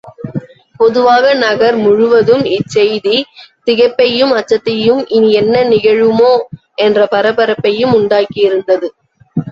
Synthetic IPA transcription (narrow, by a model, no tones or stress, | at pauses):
pɔðɯʋaːɣɐnɐɣɐɾmʊɻʊʋɐðɯmɪt͡ʃːɛjðit̪ɪɣɐpːɐjɯmɐt͡ʃːɐt̪ːɐjɯmɪniɛnːɐnɪɣɐɻɯmoː | ɛndrɐpɐɾɐpɐɾɐpːɐjɯmʊɳɖaːkɪɪɾɯnd̪ɐðɯ